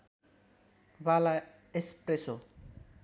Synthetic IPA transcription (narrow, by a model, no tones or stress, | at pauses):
bala | espɾeso